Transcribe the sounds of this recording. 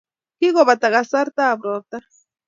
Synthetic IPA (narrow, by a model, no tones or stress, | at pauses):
kɪɢoβat̪aɢɑsaɾt̪aːbɾoɾt̪a